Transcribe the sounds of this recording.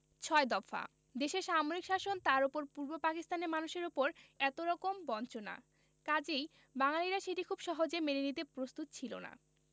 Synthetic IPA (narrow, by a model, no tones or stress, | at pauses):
t͡ɕʰɔed̪ɔfa̰ | d̪eʃeɾʃamoɾikʃaʃont̪aɾopoɾpuɾbopakist̪aneɾmanuʃeɾopoɾɛt̪oɾɔkombɔnt͡ɕona̰ | kad͡ʑej | baŋaliɾaʃeʈikʰubʃɔɦod͡ʑemeɾenit̪epɾost̪ut̪t͡ɕʰilo̰na̰